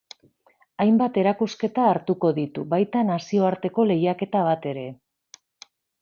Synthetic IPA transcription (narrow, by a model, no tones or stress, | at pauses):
ajmbat̪e̞ɾakuske̞t̪aːɾt̪uko̞ðit̪uβajt̪anasio̞aɾt̪e̞ko̞le̞jake̞t̪aβ̞at̪e̞ɾe̞